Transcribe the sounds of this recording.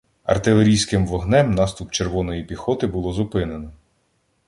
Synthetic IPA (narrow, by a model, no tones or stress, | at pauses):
ɐ̰rt̪ɪlˠeɾʲijsʲkɪmʋɔɦnɛmnɑst̪ʊpt͡ʃerʋɔnɔjipʲixɔt̪ɪbʊlˠɔzʊpɪnenɔ